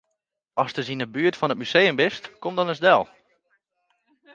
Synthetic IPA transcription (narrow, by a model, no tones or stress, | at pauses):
ɔstəzinəbyətfɔnət̚mysejəmbɪstkomdɔnəzdɛlˠ